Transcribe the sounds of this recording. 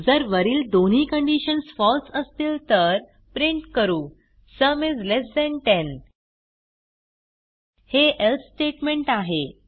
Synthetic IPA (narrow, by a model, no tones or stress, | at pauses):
d͡zəɾʋəɾiːld̪on̤ɦiːkəɳɖiɕənsfɔlsəst̪iːlt̪əɾ | pɾiɳʈkəɾuː | səmed͡zlesd̪ɛɳʈen | heʔelt̪sʈeʈmẽɳʈaɦe